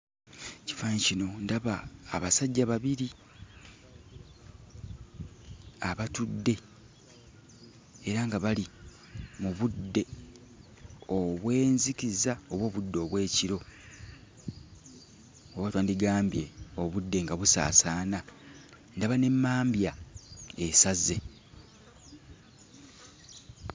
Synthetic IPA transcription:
ci̥fancino̞ndaβaːβasaɟːaβaβiɾi | aβatudːe̞ | eɾaŋɡaβali | muβudːe̞ | o̞βwe̞ːnzikizao̞βwo̞ːβudːo̞ːβwe̞ːciɾo̞ | oβwatwaːndiɡaːmbje̞o̞βudːe̞ŋɡaβusa̰ːsaːna | ndaβane̞mːaːmbjaesaze̞

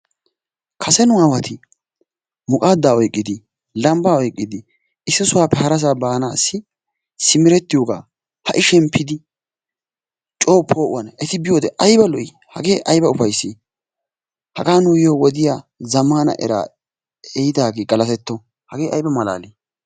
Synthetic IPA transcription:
kʰɐsɛnʊaːwɐt̪ʰɪ | mʊkʼaːd̪ːaːɔjkʼːɪd̪ɪ | lɐmbaːɔjkʼːɪd̪ɪ | ʔɪsːɪsʊwaːpːɛhɐɾɐs̬aːbaːnaːsːɪ | sɪmɪɾɛt̪ːɪjoːɡa̰ː | hɐʔɪʃɛmpʰːɪd̪ɪ | t͡ʃʼoːpʰːo̞ːʔʊ̰wɐnɛt̪ɪbɪjoːd̪ɛʔɐjbɐlɔʔɪ | hɐ̰ɡe̞ːʔɐjbɐʊfɐjsːeː | hɐɡaːnʊjɪjoːwɔd̪ɪjaːzɐmːaːnɐ̰ʔɛ̰ɾa̰ː | ɛjɪd̪aːɡeːɡɐlɐt̪ɛt̪ːɔ | hɐɡeːʔɐ̰jbɐmɐla̰ːleː

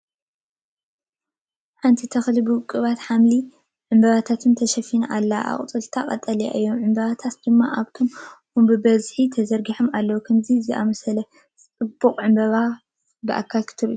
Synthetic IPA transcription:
ħant̪ʰit̪ʰɐxlibɨwkʼːɨβat̪ħamli | ʕɨmbɐβat̪ʰat̪ʰɨnt̪ʰɐʃɐfinʔalːaʔa̰χʼt͡s̪ʼɨlt̪ʰaqʼɐ̰t̪ʼːɐlia̰ʔɨjːo̞mʕɨmbɐβat̪ʰat̪d̪̥ɨmːaʔaβt̪ʰo̞mhumbɨbɐzħit̪ʰɐzɐɾɡiħomalːɐwukʰɐmzizɨʔa̰mɐsɐlɐ | t͡sʼt͡sʼɨbːuqʼʕɨmbɐβa | bɨʔa̰kʰːalkʰɨ̥t̪ʰɨɾḭu

